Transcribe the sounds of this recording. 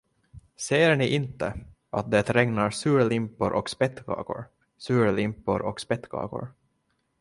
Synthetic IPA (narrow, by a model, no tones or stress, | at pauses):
seːɳɪʔɪnt̪ə | ʔat̪̚d̪ɛt̪ɾɛŋnaɾsʉ̟ːɾlɪmpːʊɾʔɔ̰kspɛt̪ːɡɑ̰ːɡʊ̰ɾ | sʉːɾlɪmpːʊɾʔɔkspɛt̪ːɡɑ̰ːɡʊ̰ɾ